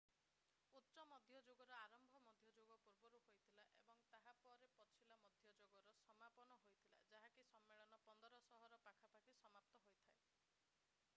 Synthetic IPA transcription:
ut̪ːt͡ʃɔmɔd̪ʱjɔd͡ʒoɡɔɾɔaɾɔmbʱɔmɔd̪ʱjɔd͡ʒoɡɔpuɾbɔɾuɦojt̪ʰilaʔebɔŋt̪aɦapɔɾepɔt͡ʃʰilamɔd̪ʱjɔd͡ʒoɡɔɾɔsɔmapɔnɔɦojt̪ʰila̰d͡ʒaɦakisɔmːeɭɔnɔpɔnd̪ɔɾɔsɔɦɔɾɔpakʰapakisɔmap̚t̪ɔɦojt̪ʰae

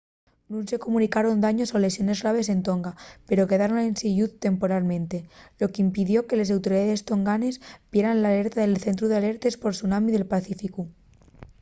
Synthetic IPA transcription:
nũnse̞ko̞munikaɾo̞nd̪aɲo̞sole̞sjo̞ne̞zɣɾaβ̞e̞se̞nt̪o̞ŋɡape̞ɾo̞ke̞ðaɾo̞ne̞nsiʝuðt̪e̞mpo̞ɾalmẽnt̪e̞lo̞keimpiðjo̞ke̞lesawt̪oɾiðaðe̞st̪o̞ŋɡane̞sb̥jeɾanlaːle̞ɾt̪aðelθe̞nt̪̬ɾuðeale̞ɾt̪e̞spo̞ɾsunamiðe̞lpaθifiku

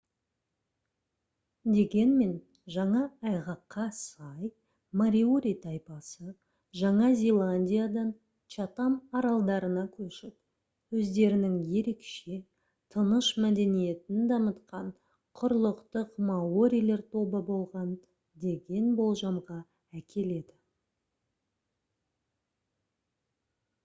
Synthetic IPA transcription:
d̪e̞ɡʲe̞nme̞n | ʒɑɴɑɑjʁɑqːɑsɑj | maɾʲioɾʲijt̪ʰɑjpɑsə | ʒɑɴɑzʲelˠanʲdʲijad̪ɑn | t͡ʃɑt̪ɑmɑɾɑlˠd̪ɑɾənɑkʲʰɵʃɪp̪̚ | wɵzd̪e̞ɾɪnɪŋje̞ɾe̞kʃe̞ | t̪ʰənəʃmæd̪e̞nije̞t̪ɪnd̪ɑmət̪qɑɴ | qʰʊɾlˠəqt̪əqmɑoɾʲijlˠe̞ɾt̪ʰo̞bəbo̞lˠʁɑn | d̪e̞ɡʲe̞nbo̞lˠʒɑmʁɑ | ækʲʰe̞le̞d̪ɪ

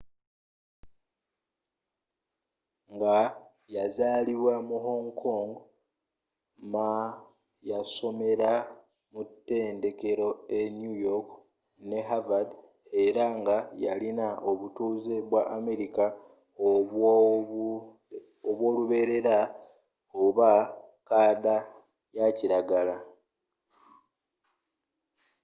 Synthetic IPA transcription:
ŋɡa | jazaːliβwamuɦo̞ːŋkʰo̞ːŋɡo | ma | jaso̞me̞ɾa | mutːe̞ːnde̞ke̞ɾo̞e̞njujok | ne̞ɦavad | e̞ɾaŋɡajalinaʔo̞βutuːzeβwaʔːme̞ɾika | o | oβwo̞ːluβe̞ːɾe̞ɾa | oβa | kaːda | jaciɾaɡala

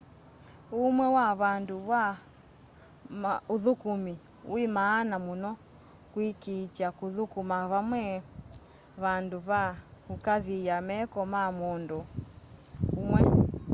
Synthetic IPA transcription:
umwɛwaβanduβa | mauðukumi | wimaːnamunɔ | kwikit͡ʃakuðukumaβamwɛ | βanduβaukaðijamɛkɔmamundu | umwɛ

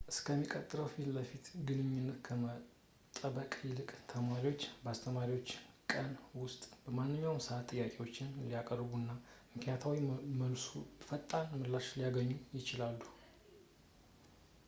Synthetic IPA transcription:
ʔɨskʰəmːikʼət̪ʼːɨɾəwfilləfit̪ɡɨnɨɲːɪnːət̪kʰəmə | t̪ʼəbəkʼjɪlɨkʼt̪ʰəmaɾiwo̞t͡ʃːbəast̪ʰəmaɾiwo̞t͡ʃː | kʼənwʊst̪ʼb̥əmanːɨɲːawmsəat̪ʼːɨjːakʼewot͡ʃːɪnlijakʼərbunːamɨknjat̪ʰawiməlsufət̪ʼːanmɨlːaʃlijaɡəɲːujɪt͡ʃɪlalːu

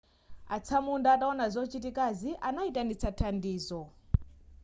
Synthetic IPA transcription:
at͡sʰamundaːtaɔnazɔt͡ʃitikaziʔanaitanit͡sʰatʰandiːzɔ

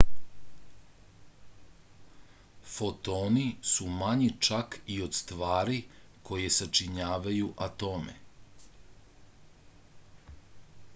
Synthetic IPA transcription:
fo̞t̪oːnisumaɲit͡ʃakio̞d̪st̪ʋaːɾiko̞je̞sat͡ʃiɲaːʋajuʔat̪o̞ːmḛ

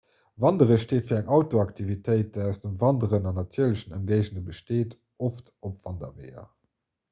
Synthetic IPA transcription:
vɑndəʁəʃteːtfiːɐæŋʔɑʊtoɑktʰivitʰəɪtæʊsd̥əmvɑndəʁənɑnːɑtʰiːɐləɕənəmɡəɪʑnəbəʃteːt | oftopv̥ɑndɐ̰vḛɪɐ̰

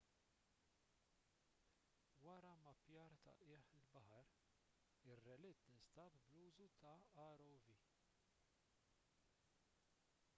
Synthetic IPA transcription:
wɐɾɐmɐpjɐːɾt̪ɐ̰ʔɪːħɪlbɐħɐɾ | ɪrːɛlɪt̪nɪnst̪ɐpbluːzut̪ɐɐɾɔwviː

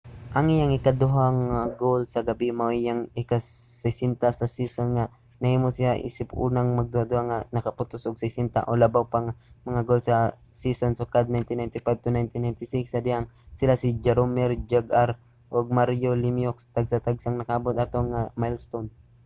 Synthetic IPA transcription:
ʔɐŋɪjaŋɪkad̪ʊɦaŋaɡowlsɐɡɐbimajaŋɪkasɛsɪnt̪asɐsisonŋa | nɐhiːmosɪaʔḭːsɪpṵːnaŋmɐɡ̚d̪ʊhad̪ʊhaŋanɐkɐpʊt̪ʊsoɡ̚sɛsɪnt̪a̰ʔolɐbawpaŋamɐŋaɡolsɐ | sisonsokad̪̚najnt̪ɪnajnt̪ɪfajb̚t̪ʊnajnt̪ɪnːajnt̪ɪsiksːɐd̪ɪaŋsɪlasid͡ʒɛɾomɛɾd͡ʒɛɡaɾ | ʔoɡ̚maɾjolɪmjokst̪aɡsat̪aɡsaŋnɐkaabʊt̪at̪oŋamajlst̪on

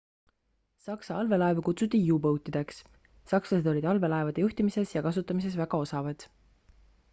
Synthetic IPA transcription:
sɑksɑɑlve̞lɑe̞vkut̪sut̪ːˑijuːpɤwt̪ːˑid̪̥e̞ksː | ɑkslɑse̞d̪o̞lʲid̪̥ɑlve̞lɑe̞vɑd̪̥e̞juht̪imise̞sjɑkɑsut̪ːˑɑmise̞svæɡ̥ɑo̞sɑvɑd̪̥

